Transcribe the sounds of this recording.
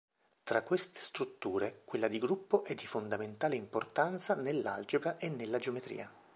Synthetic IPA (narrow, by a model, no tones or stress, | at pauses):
t̪ɾakːwest̪e̥st̪ɾut̪ːuːɾekwelːad̪iɡɾupːoʔɛd̪ːifond̪ament̪aːleimport̪ant̪sanelːa̰ld͡ʒebɾaʔenːelːad͡ʒeomet̪ɾḭːa